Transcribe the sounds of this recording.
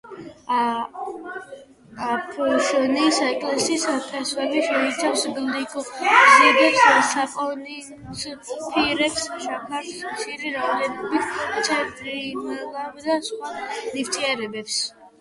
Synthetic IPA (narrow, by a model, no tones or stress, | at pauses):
apʰɔʃɔnisaɛkʼlɛsisakʰaswaliʃɛit̪sʰawsbild̪ikʰʼɔɡzid̪ɛpssaqʼɔni | spʰiɾɛpsʃapʰaɾʃiɾiɾaɔd̪ɛnɔbit̪ʰt̪sʰɛnt̪ʼɾimalabd̪asχwanift̪ʰiaɾɛbɛps